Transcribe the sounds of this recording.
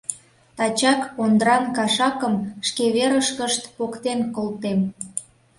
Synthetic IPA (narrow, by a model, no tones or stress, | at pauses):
t̪ɑt͡ɕɑkpond̪ɾɑnkɑʃɑkəmʃkeβeɾəʃkəʃt̪pokt̪enkolt̪em